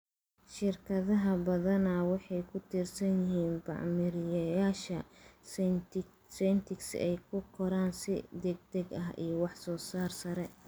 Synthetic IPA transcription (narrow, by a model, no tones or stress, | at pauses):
ʃɪrkʰɐðɐɦɐbɐðɐnaːwɑħɑjkʰʊt̪ʰirsɐnjɪɦiːnbɑ̰ʕmɪɾɪjɐjaːʃɐ | sɛnt̪ʰɪksɛ̰jkʰʊkʰɔɾaːnsɪd̪ɛɡ̚d̪ɛɡɐɦʔḭjɔwɑħsɔːsaːrsɐɾɛ